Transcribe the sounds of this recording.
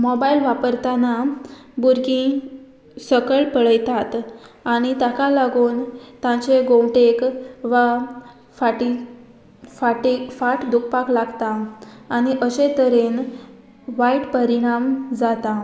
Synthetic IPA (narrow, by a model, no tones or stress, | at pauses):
mɔbailʋapəɾt̪ana | buɾɡĩ | səkəɭpəɭəjt̪at̪aɽ̃it̪akalaɡuːnt̪ãt͡ɕeɡõwʈekʋa | faʈi | faʈefaʈd̪uk̚ʰpaklaɡt̪aːɽ̃iʔəɕet̪əɾen | ʋaiʈpəɾiɽ̃amd͡zat̪a